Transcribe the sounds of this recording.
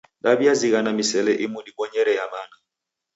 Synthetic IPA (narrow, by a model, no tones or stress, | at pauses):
dabiaziɣanamisɛlɛʔimudiɓɔɲɛɾɛjamana